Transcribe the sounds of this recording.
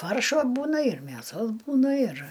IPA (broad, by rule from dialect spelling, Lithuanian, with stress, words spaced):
ˈfɐrʃoː ˈbuːnɐ ɪr mʲeːˈsoːs ˈbuːnɐ ɪr